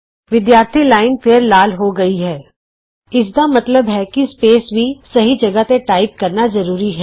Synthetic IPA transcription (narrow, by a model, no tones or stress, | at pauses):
ʋɪd̪jaːɾt̪ʰilaːɪnpʰeːɾlaːlɦoɡɐiɦɛː | ɪs̬d̪amɐt̪ləbɦɛkispeːsbʱisɐɦid͡ʒɐɡət̪eʈaːɪp̚kɐɾnazɐɾuːɾiɦɛː